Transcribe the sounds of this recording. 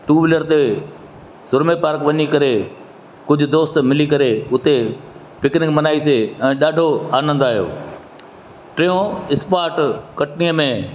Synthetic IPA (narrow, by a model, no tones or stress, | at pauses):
ʈuːʋɪləɾt̪e | sʊɾmepaːɾkʋɐɲikɐɾe | kʊd͡ʑʱʊ̆d̪oːst̪̆mɪlikɐɾeʊt̪e | pɪknɪkmɐnaːiseɛ̃ːɗaːɖʱoaːnə̃nd̪aːɦijo̰ː | ʈɾiõɪspaːɾʈkɐʈnijəmẽ